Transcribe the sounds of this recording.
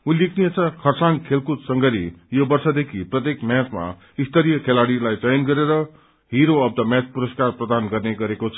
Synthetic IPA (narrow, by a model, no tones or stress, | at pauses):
ulikʰnijet͡sʰʌkʰʌrsankʰelkut̪sʌŋɡʌɾḭjobʌrsʌd̪ekʰiprʌt̪ekmjat͡sma̰ | ist̪ʌɾijʌkʰelaɽilajd͡zʌjnɡʌɾeɾʌ | ɦiɾoʌb̚d̪ʌmjat͡spuɾʌskarprʌd̪anɡʌrneɡʌɾekot͡sʰʌ